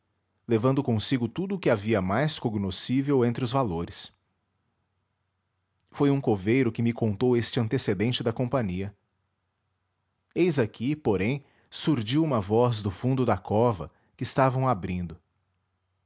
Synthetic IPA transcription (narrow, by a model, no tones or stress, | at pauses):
levɐ̃nd̪ʊkõsiɡʊt̪ud̪ʊːkɪaviɐmajskoɡnosivewẽnt̪ɾɪʊzvaloɾɪs | fojũkovejɾʊkɪmɪkõnt̪owest͡ʃɪɐ̃nt̪esed̪ẽnt͡ʃɪd̪ɐkõpɐ̃ɲiɐ | ejzakʰipoɾẽj̃ | suɾʒiwũmɐvɔzd̪ʊfũnd̪ʊd̪ɐkɔvɐ | kɪːst̪avɐ̃w̃abɾĩnd̪ʊ